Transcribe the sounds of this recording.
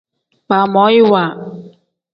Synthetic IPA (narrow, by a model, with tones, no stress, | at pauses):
paː˨mɔ˨˦i˦waː˨